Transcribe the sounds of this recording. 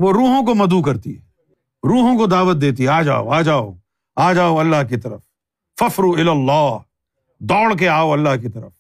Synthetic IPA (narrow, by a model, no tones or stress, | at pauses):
ʋoɾuːɦõkomɐd̪ukɐɾt̪ḭɦɛ | ɾuːɦõkod̪aːʋət̪̚d̪eːt̪̬iɦɛaːd͡ʒa̰ːo̰aːd͡ʒaːo̰ | aːd͡ʒaːoɐlːaɦkit̪ɐɾəf | fɐfɾuɪlɐlːaː | d̪ɔːɽk̬eaːoɐlːaɦkit̪ɐɾəf